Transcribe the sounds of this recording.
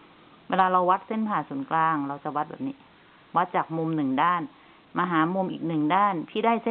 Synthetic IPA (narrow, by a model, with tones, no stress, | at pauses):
weː˧laː˧ɾa˧wa˦˥t̪̚se˥˩npʰaː˨˩su˩˦nklaː˧ŋɾa˧wt͡ɕa˨˩˦wa˦t̪̚ba̰˨˩niː˦˧˩ | wa˦˥t̪̚t͡ɕaː˨˩k̚mu˧mnɯ˨˩ŋdaː˥˩n | maː˧ɦaː˩˦mo˧mʔiː˨˩k̚nɯ˨˩ŋdaː˥˩nt̪ʰiː˥˩daː˥˩jse˥˨